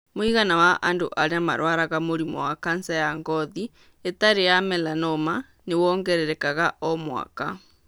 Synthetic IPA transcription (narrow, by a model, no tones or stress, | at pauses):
moiɣanawaʔandoʔaɾeama̰ɾwaɾaɣamoɾimɔ̰wakansajaŋɡɔði | etaɾejamɛlanɔma | newɔːŋɡɛɾɛɾɛkaɣaʔɔmwa̰ka